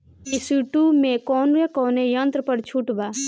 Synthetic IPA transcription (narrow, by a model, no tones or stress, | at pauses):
kisiʈumẽkɔːnɾekɔːnejə̃nt̪ɾəpəɾt͡ʃʰuʈbaː